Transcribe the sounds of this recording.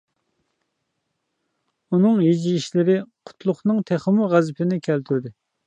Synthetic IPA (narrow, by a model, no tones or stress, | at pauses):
unɨŋjid͡ʒiiʃlɪɾɪqʰʊ̥t̪ʰlˠʊχnɨŋt̪ʰæχəmuʁæzɪpʰɪnɪkʲʰælt̪ʰyɾd̪ɪ